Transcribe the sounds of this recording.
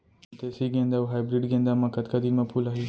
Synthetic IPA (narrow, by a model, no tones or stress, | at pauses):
t̪eːsiːɡẽːnd̪aːuɦaːjbɾiɖɡẽːnd̪aːmãkɐt̪kad̪iːnmɐpʰuːlaːɦiː